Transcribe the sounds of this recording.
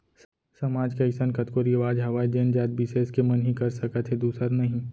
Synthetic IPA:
sɐmaːd͡ʒkaɪksankɐt̪koːɾieʋaːd͡ʒɦɐʋaːid͡ʒeːnd͡ʒaːd̪̚biseːskemɐnɦĩkɐɾsɐkət̪ɦed̪uːsəɾnɐɦĩ

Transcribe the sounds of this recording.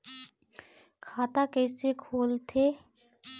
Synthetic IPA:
kʰaːt̪akɛːsekʰoːlt̪ʰeː

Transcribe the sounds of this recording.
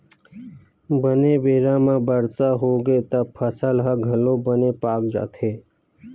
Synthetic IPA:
bənebeːɾãːmãːbəɾsaːɦoːɡeːt̪əpʰəsəlɦaɡʱəlõːbəneːpaːkd͡ʒa̰ːt̪ʰeː

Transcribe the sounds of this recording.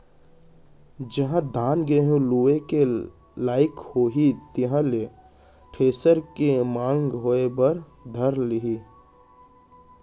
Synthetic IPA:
d͡ʒəɦãd̪ʱaːnɡəɦũluːeke | laːɪkhoːɦit̪ɪɦãle | ʈʰeːsəɾkemãːŋɡɦoːebəɾ | d̪ʱəɾlɪɦi

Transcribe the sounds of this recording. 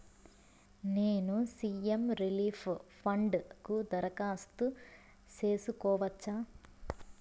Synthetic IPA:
neːnusiːemɾiliːpʰpʰɐɳɖkud̪ɐɾɐkaːst̪u | t͡ʃe̞ːsukɔːʋɐt͡ʃːaː

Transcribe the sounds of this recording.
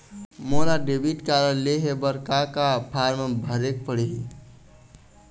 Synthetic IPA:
molaɖebiʈkaɾənleɦebəɾkakapʰaɾmebʱəɾek̚pəɽii

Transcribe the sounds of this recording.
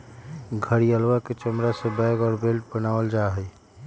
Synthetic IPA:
ɡʱəɾiəlwaket͡ʃəmɾasebajɡɔːɾbelʈbənawəld͡ʒaɦəj

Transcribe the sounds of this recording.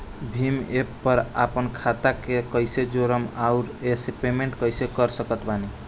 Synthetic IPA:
bʱimepːəɾa̰pənkʰat̪akekəjsed͡ʒoɾəmauɾesepemeɳʈkʌjsekəɾsəkət̪bani

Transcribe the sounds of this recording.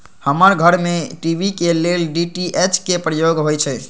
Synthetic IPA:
həməɾɡʱəɾmeʈibʱikelelɖiʈiʔet͡ʃkepɾəjoɡɦojt͡ʃʰɛ

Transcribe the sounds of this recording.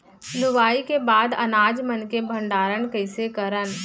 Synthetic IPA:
lʊbaːikebaːd̪ɐ̰naːd͡ʒmənkebʱə̃ɳɖaːɾənkəɪsekəɾən

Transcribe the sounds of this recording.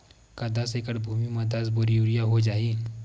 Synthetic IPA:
kad̪asekəɽbʱumiməd̪ʱasboɾjuɽijaɦod͡ʒaiː

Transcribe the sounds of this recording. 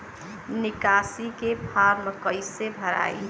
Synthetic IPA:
nikasikepʰaɾməkəjsebʱəɾa̰j

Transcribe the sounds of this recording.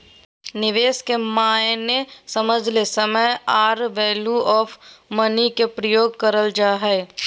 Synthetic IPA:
nɪʋeːskemaːjnesəməd͡ʒʱlesəməjaːɾʋɛːluɔːfmənikepɾəjoːɡ̚kəɾəld͡ʒaːɦɛː

